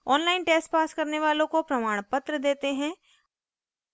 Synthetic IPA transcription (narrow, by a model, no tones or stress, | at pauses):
ɔːnlaːɪnʈeːsʈpaːskɐɾneʋaːlõkopɾɐmaːɽ̃pɐt̪ɾəd̪eːt̪eɦɛ̃ː